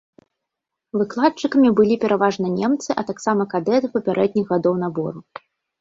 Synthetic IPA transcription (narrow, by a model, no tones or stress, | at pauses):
vɨklˠat̪̚t͡ʂɨkɐmʲibɨlʲipʲɛɾʔavaʐnɐnʲemt̪sɨʔɐt̪aksamɐkad̪ɛt̪ɨpɐpʲaɾʔɛd̪̚ʲnʲiɣɣːad̪ɔwn̪abɔɾu